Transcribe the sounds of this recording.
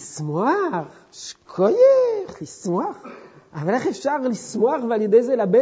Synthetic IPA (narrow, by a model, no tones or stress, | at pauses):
ismwaʁ | ʃkʰojeχlismwaʁ | avaleχefʃaʁlismwaʁvealjed̪ejzelabe